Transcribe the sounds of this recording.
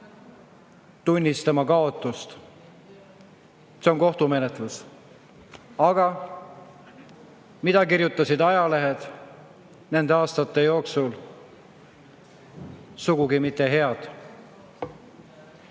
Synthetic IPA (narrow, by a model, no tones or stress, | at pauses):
t̪unʲːist̪ɑmɑkɑo̞t̪ːˑust̪ | se̞o̞nko̞ht̪ume̞net̪ˑlus | ɑɡ̥ɑ | mid̪̥ɑkiɾjut̪ːˑɑsid̪ɑjɑle̞ɦed̪̥ | ne̞nd̪eɑːst̪ɑt̪ːˑe̞jo̞ːksul | suɡ̥uɡimit̪ːˑe̞ɦe̞ɑd̪̥